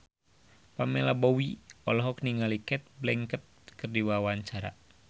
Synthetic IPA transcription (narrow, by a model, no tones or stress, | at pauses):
pamɛlabɔwiɔlɔɦɔk̚niŋalikɛt̪̚blɛŋkət̪̚kərdiwawaɲt͡ʃaɾa̰